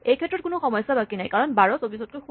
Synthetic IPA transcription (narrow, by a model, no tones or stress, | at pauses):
ejkʰɛtːɹɔt̚kʊnʊxɔmɔjsabakinajkaɹɔnbaɹɔsobisɔt̚kojx